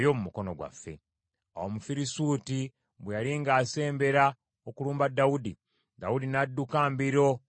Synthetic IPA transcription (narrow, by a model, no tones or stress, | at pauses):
jo̞mumuko̞no̞ɡwa̰fːe̞̰ | a̰wo̞mufiɾisuːti | βwejaɾiŋɡaːse̞ːmbe̞ɾa | okuluːmbadːawudi | dawudinadːukaːmbiɾo̞